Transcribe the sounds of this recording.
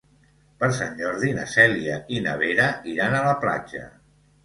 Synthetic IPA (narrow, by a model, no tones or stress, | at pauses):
pəɾsaɲʲd͡ʒɔɾðina̰sɛliəinə̰βeɾəiɾanələpla̰d͡ʒə̰